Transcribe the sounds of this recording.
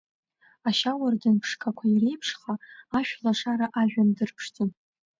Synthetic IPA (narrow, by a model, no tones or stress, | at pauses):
aʃawardɨnpʰʂkʰakʷʰaire̞jpʰʂχaːʃᶣlaʂaɾaʔaʒᶣandɨrpʰʂt͡sʰʼɨn